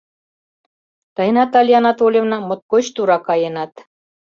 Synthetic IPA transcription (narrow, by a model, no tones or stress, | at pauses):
t̪ɑjnɑt̪ɑlʲjɑnɑt̪olʲjĕvnɑmŏt̪̚kot͡ɕt̪uɾɑkɑjɤ̆nɑt̪